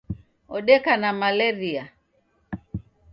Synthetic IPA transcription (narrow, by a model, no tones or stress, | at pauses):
ɔɗɛkanamalɛɾia